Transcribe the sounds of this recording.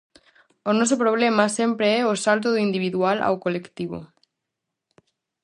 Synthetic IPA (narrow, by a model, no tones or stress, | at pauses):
onos̬opɾoβ̞lemasempɾeɛosalt̪̬oðuind̪iβ̞iðuala̰wkolekt̪iβ̞o̰